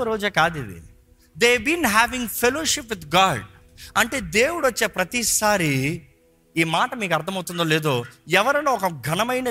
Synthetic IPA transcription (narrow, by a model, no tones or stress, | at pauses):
ɾoːd͡ʒaːkaːd̪id̪ḭ | d̪eːbinɦæːʋĩŋɡfʰɛloːʃipʋid̪ɡaːɖ | ɐɳʈeːd̪eːwuɽuʋɐt͡ʃːeːpɾɐt̪isaːɾi | iːmaːʈɐmiːk̬ɐɾd̪ʰʱɐmɐwut̪und̪oːleːd̪oːɛʋɐɾɐnoːɔkɐɡʱɐnɐmɐjnɐ